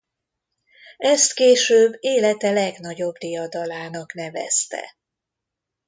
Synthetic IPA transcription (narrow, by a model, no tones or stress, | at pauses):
ɛst̪keːʃøːbːeːlɛt̪ɛlɛɡn̪ɒɟo̞bd̪ijɒd̪ɒlaːnɒkn̪ɛvɛ̰st̪ɛ̰